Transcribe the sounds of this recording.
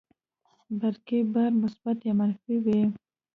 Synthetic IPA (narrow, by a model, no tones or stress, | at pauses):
baɾkebaɾmʊsbat̪jamanfiwi